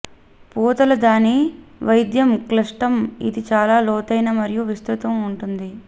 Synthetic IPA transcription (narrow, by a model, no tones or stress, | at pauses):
puːt̪ɐlɐd̪aːniʋɐjd̪jɐmklɐʂʈɐmḭd̪it͡ʃaːlaːlɔːt̪ɐjnɐmɐɾijuʋist̪ɾut̪ɐmuɳʈund̪i